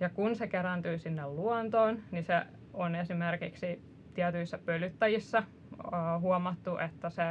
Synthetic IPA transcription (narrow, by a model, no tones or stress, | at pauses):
jɑkunsekerænt̪yisinːelluont̪oːnnise | onesimerkiksi | t̪iæt̪yisːæpølːyt̪ːæjisːɑː | huomɑt̪ːuʔet̪ːæse